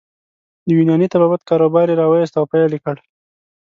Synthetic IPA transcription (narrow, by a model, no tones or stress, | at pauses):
d̪əwinjɑnit̪ababat̪̚kɑɾobɑɾeɾɑwajes̬t̪awpajlikəɽ